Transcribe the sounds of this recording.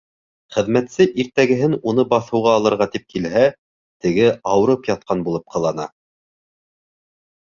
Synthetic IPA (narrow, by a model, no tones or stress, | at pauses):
χɘ̆ðmæt̪sɘʔiɾt̪æɡɘ̆ɦɘnunɤbɑθɤ̆wʁɑːlˠɤ̆ɾʁɑt̪ip̚kilɦæ | t̪ɘ̆ɡɘɑwɾɤpjɑt̪̚qɑnbulˠɤp̚qɤ̆lˠɑnɑ̰